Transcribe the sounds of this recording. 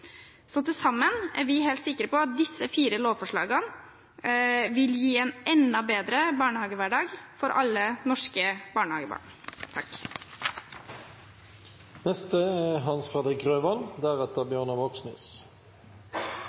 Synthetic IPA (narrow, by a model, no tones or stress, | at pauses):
sɔt̪ɪlsɑmːənæɾʋɪɦeːlt̪sɪkːəɾəpɔɑt̪̚d̪ɪsːəfiːɾəloːʋfɔʂɭɑ̰ːɡən | ʋɪljiːɛːnʔɛnːɑbeːd̪ɾəbɑːɳəhɑːɡəʋæɖɑːɡfɔɾʔɑ̰lːənɔʂkəb̥ɑːɳəhɑːɡəbɑ̰ːɳ | t̪ʰɑk | nɛst̪əɛɦɑnsfeːd̪ʁɪkʁøːʋɑnd̪æʁɛt̪əʁbjøːʁnɑʋoksny̰ːs